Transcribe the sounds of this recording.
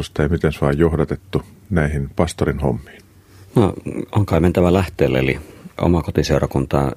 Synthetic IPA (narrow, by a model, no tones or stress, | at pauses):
ust̪ɑeˑimit̪ensoɑˑːjjohdɑt̪et̪ːunæihinpɑst̪orinho̰mːi̥ːn | noʔoŋkɑˑiment̪æʋælæht̪ˑeːlːeḛliʔo̰mɑkot̪iseorɑkunt̪ɑ̰ː